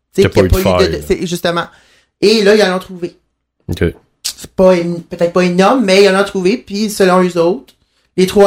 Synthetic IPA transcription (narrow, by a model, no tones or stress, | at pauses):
t͡sekijapɔyd̪əd̪əsɛʒyst̪əmɑ̃ | elʌilalɑ̃t̪χuve | ɔkʲḛ | sɛ̥pʌenpøt̪ɛːt̪χpʌenɔʁmːɛilalɑ̃t̪χuvepɥisəlɔ̃øzɔʊt̪χ | let̪χwa